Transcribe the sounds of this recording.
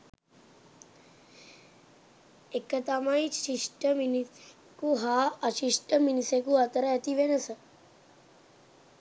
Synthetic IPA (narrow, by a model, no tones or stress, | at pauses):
ekːət̪amait͡ʃʃiʂʈəmin | kuɦaət͡ʃiʂʈəminisekuat̪əɾəet̪iʋenəsə